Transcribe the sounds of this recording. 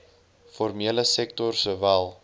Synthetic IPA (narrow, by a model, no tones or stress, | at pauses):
fɔrmiələsɛk̚tɔrsəvælˠ